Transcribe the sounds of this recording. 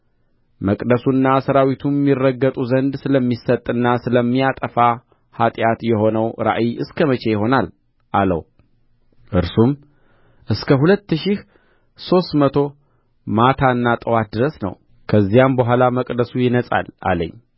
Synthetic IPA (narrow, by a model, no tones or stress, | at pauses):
məkʼd̪əsuɨnːasəɾawit̪ʰumːirːəɡːət̪ʼuzənd̪sɨləmːisət̪ʼːɨnːasɨləmːijat̪ʼəfa | hat̪ʼjat̪jɛɦo̞nəwɾa̰ʔiʔɨskʰəmət͡ʃʰʼe̞jɪɦo̞nal | ʔalə̰w | ʔɨɾsum | ʔɨskʰəɦulət̪ːɨʃih | so̞st̪mət̪ʰo̞ | mat̪ʰaɨnːat̪ʼəwat̪̚d̪ɨɾəsnə̰w | kʰəzːijambəɦʷalaməkʼd̪əsujɪnəsʼa̰la̰lə̰ɲː